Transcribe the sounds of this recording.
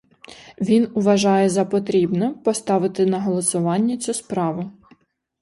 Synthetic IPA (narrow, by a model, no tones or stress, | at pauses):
ʋʲinʊʋɐʒɑjɛzɐpɔt̪ɾʲibnɛmpɔst̪ɑʋɪt̪ɪnɐɦɔlˠɔsʊʋɑnʲːɐt͡sʲuspɾɑʋʊ